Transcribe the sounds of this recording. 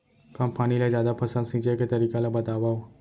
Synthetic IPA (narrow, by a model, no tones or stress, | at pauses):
kampaːñilad͡ʒjaːd̪apʰɐsəlsĩːt͡ʃeket̪ɐɾiːkalabət̪aːʋao